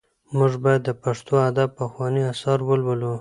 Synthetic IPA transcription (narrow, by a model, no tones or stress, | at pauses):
mʊʐbɑjad̪ːəpaʂt̪oad̪abpaxwɑniasɑɾwəlwəlu